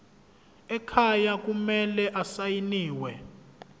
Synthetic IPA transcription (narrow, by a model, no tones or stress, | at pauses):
ɛkʰajak̬umɛlɛʔasajiniːwɛ